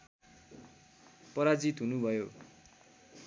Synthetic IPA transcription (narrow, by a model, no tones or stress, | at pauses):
pʌɾad͡zit̪ɦunubʱʌjo